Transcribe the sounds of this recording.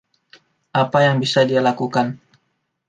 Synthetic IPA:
ʔapajaŋbisadialakukan

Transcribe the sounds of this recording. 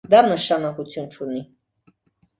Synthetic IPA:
d̪ɑnəʃɑnɑkut͡sʰjunt͡ʃʰuni

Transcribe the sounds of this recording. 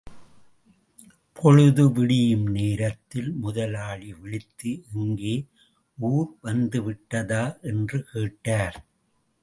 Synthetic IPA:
pʰɔɻɯðɯʋɪɽɪjɯmneːɾɐt̪ːɪlmʊðɐlaːɭiʋɪɭɪt̪ːɯʔɛŋɡeː | uːɾʋɐnd̪ɯʋɪʈːɐðaːʔɛndrɯkeːʈːaːɾ

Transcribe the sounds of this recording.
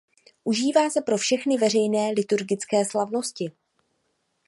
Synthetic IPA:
ʔuʒiːvaːsɛpɾo̞fʃɛxnɪvɛrɛjnɛːlɪt̪uɾɡɪt͡skɛːslavno̞scɪ

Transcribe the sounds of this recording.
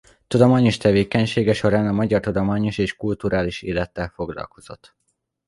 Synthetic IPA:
t̪ud̪omaːɲo̞ʃt̪ɛveːkɛɲʃeːɡɛʃo̞ɾaːnɒmɒɟɒrt̪ud̪o̞maːɲo̞ʃeːʃkult̪uɾaːliʃeːlɛt̪ːɛlfo̞ɡlɒ̰lko̞z̥o̞t̪ː

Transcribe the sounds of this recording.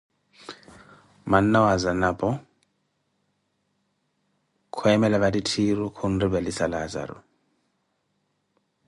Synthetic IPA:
man̩nawazanapʼɔ | kʰʊɛmɛlaβaditʰiɾukʰun̩ribɛlisalaza̰ɾʊ̰

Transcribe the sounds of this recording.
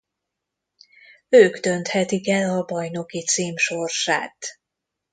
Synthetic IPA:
øːɡd̪ø̞nt̪hɛt̪ikɛlɒbɒjno̞kit̪siːmʃo̞rʃa̰ːt̪

